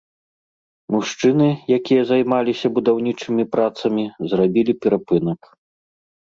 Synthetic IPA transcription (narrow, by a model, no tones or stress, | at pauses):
muʂt͡ʂɨnɨjakʲijɐzajmalʲisʲɐbud̪awnʲit͡ʂɨmʲipɾat̪sɐmʲizrabʲilʲipʲɛɾapɨnɐk